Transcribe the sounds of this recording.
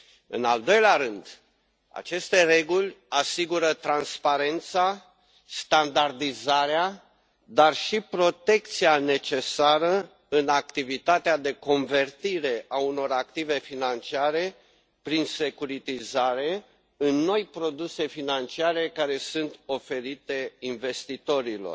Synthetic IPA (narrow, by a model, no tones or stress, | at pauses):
ɨ̰nald̪o̞jleaɾɨnd̪ | a̰t͡ʃe̞st̪e̞re̞ɡulʲasiɡuɾət̪ɾanspaɾe̞nt̪sa | st̪and̪ard̪izaɾea | d̪arʃipɾo̞t̪e̞k̚t̪siane̞t͡ʃe̞saɾə | ɨnak̚t̪ivit̪at̪ead̪e̞ko̞nve̞rt̪iɾe̞ʔauno̞ɾakt̪ive̞finant͡ʃiaɾe̞ | pɾinse̞kuɾit̪izaɾe̞ | ɨnːo̞jpɾo̞d̪use̞finant͡ʃiaɾe̞kaɾe̞sunt̪o̞fe̞ɾit̪e̞inve̞st̪it̪o̞ɾilo̞̰r